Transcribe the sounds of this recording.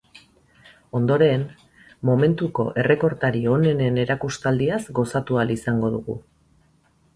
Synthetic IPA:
o̞nd̪o̞ɾe̞n | mo̞me̞nt̪uko̞ʔe̞re̞ko̞ɾt̪aɾio̞ne̞ne̞ne̞ɾakust̪ald̪iazɡo̞sat̪ualisaŋɡo̞ðuɣṵ

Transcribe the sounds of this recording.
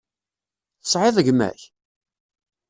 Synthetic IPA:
θə̥sˤʕɪðˤəʝmæ̰ç

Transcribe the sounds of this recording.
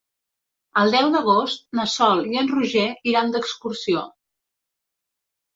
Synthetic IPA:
əlˠd̪ɛwd̪əɣ̞ost̪̚nəsɔlˠiənruʒɛiɾand̪əkskuɾsio

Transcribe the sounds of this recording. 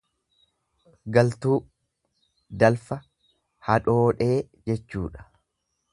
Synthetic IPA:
ɡɐlt̪uː | d̪ɐlfɐ | hɐᶑo̞ːᶑe̞ː | d͡ʒɛt͡ʃːuːᶑɐ̥

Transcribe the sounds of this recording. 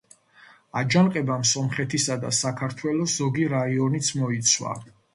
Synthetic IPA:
ad͡ʒanqʼɛbamsɔmχɛt̪ʰisad̪a̰sakʰaɾt̪ʰwɛlɔszɔɡiɾaiɔnit̪sʰmɔit̪sʰwa̰

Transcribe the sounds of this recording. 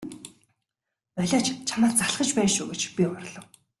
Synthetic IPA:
ɔɮʲaːt͡ɕt͡ɕʰamaːtt͡saɮχə̆t͡ɕpæːnʃuːɡet͡ɕpʲiɔrɮɞ̆w

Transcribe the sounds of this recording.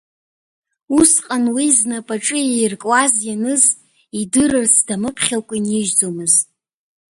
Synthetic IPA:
usqʼanwiznapʼaʈ͡ʂʼɨjajrkʼwazjanɨz | idɨrɨrsʰd̥amɨpʰχʲalkʷʼinɪʒd͡zomɨztʼ

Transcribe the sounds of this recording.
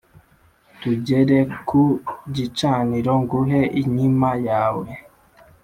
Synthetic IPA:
tuɟeɾekuɟit͡ʃaːniɾoŋɡuɦeʔiɲimajaːwe

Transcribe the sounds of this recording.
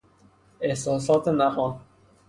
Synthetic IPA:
ehsɒːsɒːt̪ʰenæɣɒn

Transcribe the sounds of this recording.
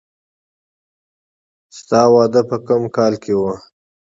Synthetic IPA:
st̪ɑwɑd̪əpəkəmkɑlkʰewə

